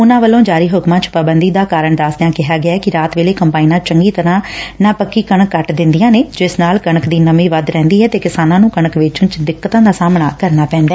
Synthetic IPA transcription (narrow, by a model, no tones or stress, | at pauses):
ʊnãːʋəlõːd͡ʒaːɾiːɦʊkmãːt͡ʃpabənd̪iːd̪aːkaːɾəɳd̪aːst̪ɪjãːkɪɦaːɡɪaɛːkɪɾaːt̪ʋeːleːkəmpaːinãːt͡ʃəŋɡiːt̪əɾãːnaːpəkːiːkəɳəkːəʈd̪ɪ̃nd̪ijãːneːd͡ʒɪsnaːlkəɳəkd̪iːnəmiːʋəd̪ɾɛ̃ːnd̪iːɦɛːt̪eːkɪsaːnãːnũːkəɳ̃əkʋɪt͡ʃʊnt͡ʃd̪ɪkːət̪ãːd̪aːsaːmɳaːkəɾnaːpɛ̃ːnd̪ɛː